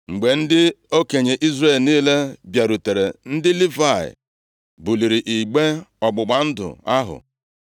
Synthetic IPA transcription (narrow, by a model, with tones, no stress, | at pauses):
ŋ͡m̩˨ɡ͡be˨n̩˦dɪ˦o˦ke˨ɲe˨ʔi˦zre˦˨lniː˦le˦bja˨ɾu˨te˨ɾe˨n̩˦dɪ˦li˦va˦˨ɪ̰˨ | bu˨li˨ɾi˨ʔi˨ɡ͡be˦ɔ˨ɡ͡bʊ˨ɡ͡ba˨n̩˦dʊ̰˨a˦ɦʊ̰˨